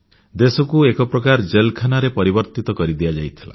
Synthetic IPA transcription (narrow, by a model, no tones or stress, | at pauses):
d̪esɔkuekɔpɾɔkaɾd͡ʒelkʰanaɾepɔɾibɔɾt̪it̪ɔkɔɾid̪ijad͡ʒajt̪ʰi̥la̰